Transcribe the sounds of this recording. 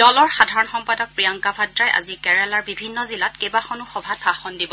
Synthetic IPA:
d̥ɔlɔɹxadʱaɹɔnxɔmpadɔk̚pɹijaŋkabʱadɹajʔa̰zikɛɹɛlaɹbibʱinːɔzilatkejbaxɔnuxɔbʱat̚baxɔndibɔ

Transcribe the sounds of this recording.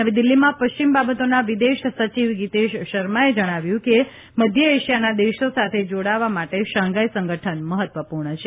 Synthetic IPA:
aʋed̪ɪlːimãpəʃt͡ʃimbabət̪onaʋid̪eʃsət͡ʃiʋɡit̪eʃʃəɾmaed͡ʒəɽ̃aʋjũke | məd̪ʱjəeʃijanad̪eʃosat̪ʰed͡ʒoɽaʋamaʈeʃãŋɡajsə̃ŋɡəʈʰənməɦət̪ʋəpuɾɳət͡ʃʰe

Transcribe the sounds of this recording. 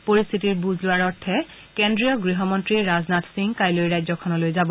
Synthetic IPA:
poɹist̪ʰitiɹbuzlʊaɹɔɹtʰɛ | kendɹijɔɡɹiɦɔmɔntɹiɹaznatsiŋkajlojɹajzɔkʰɔnɔlojzabɔ

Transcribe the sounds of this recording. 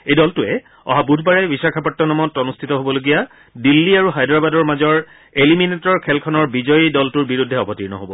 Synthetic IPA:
ejdɔltʊɛ | ɔ̰ɦabudʱbaɹɛbisakʰapɔtːɔnɔmɔtɔnustʰitɔɦobɔloɡija | dilːiaɹuɦajdɹabadɔɹmazɔɹ | eliminetɔɹkʰɛlkʰɔnɔɹbizɔjidɔltuɹbiɹudʱːɛɔbʱɔtiɹnɔ̰ɦobɔ

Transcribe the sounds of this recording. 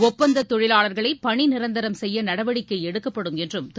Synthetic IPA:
ɔpːɐnd̪ɐt̪ːɔɻɪlaːɭɐɾɣɐɭɐɪpɐɳinɪɾɐnd̪ɐɾɐmsɛjːɐnɐɽɐʋɐɽɪkːɐɛɽɯkːɐpːɐɽɯmɛndrɯmt̪

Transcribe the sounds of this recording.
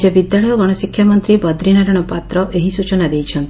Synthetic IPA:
d͡ʒebid̪jaɭɔjɔɡɔɽ̃ɔsikʰːjamɔnt̪ɾibɔd̪ɾinaɾɔɽ̃ɔpat̪ɾɔʔeɦisut͡ʃɔnad̪ejt͡ʃʰɔnt̪ii̥

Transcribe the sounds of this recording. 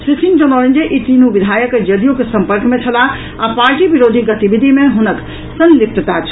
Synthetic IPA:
sisind͡ʒonɔɾend͡ʒeʔit̪inubid̪ʱajəked͡ʒəd̪ijokesə̃mpəɾkmet͡ʃʰəla | apaɾʈibiɾod̪ʱiɡət̪ibid̪ʱimeɦunək | sənlik̚t̪ət̪at͡ʃʰ

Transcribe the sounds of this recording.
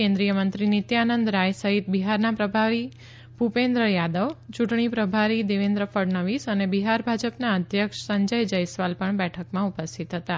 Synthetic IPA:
ẽnd̪ɾijəmənt̪ɾinit̪janənd̪ɾajsəɦit̪̚biɦaɾnapɾəbʱaɾi | bʱupend̪ɾəjad̪əʋt͡ʃuʈɳ̃ipɾəbʱaɾid̪eʋend̪ɾəfəɽnəʋisənebiɦaɾbʱad͡ʒəpnaəd̪ʱjəkʂsəɲd͡ʒəjd͡ʒəjsʋalpəɳbɛʈʰəkmãupəst̪ʰit̪ɦət̪a

